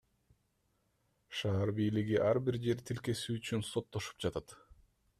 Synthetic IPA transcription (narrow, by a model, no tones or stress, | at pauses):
ʃɑːɾbijliɡiʔɑɾbiɾd͡ʒe̞ɾt̪ʰilke̞syːt͡ʃynso̞t̪ːo̞ʃu̥p̚d͡ʒɑt̪ɑt̪